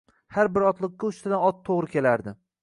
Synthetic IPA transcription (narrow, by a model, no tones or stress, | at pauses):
haɾbɪɾɒt̪lˠɨq̚ːʲaʊʃt̪ʰɪd̪anɒt̪ʰːoʁɾɪkʲe̞laɾd̪ɪ